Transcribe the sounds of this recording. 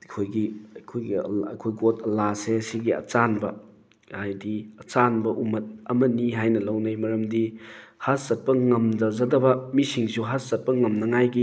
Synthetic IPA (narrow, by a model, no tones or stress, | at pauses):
kʰojɡiɐkʰojɡḭɐkʰojɡotʰɐlasesiɡiɐ̰t͡ʃanbɐ | hajdiɐt͡ʃanbɐʔumɐt̚ɐmɐniɦajnɐlɐwnɐjmɐɾɐmdihaszɐt̚pɐŋɐmd͡ʒɐzɐdɐbɐmisiŋsuɦaszɐt̚pɐŋɐmnɐŋajɡi